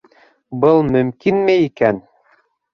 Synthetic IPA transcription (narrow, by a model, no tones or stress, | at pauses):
bɤlˠmɵ̆mkinmeikæn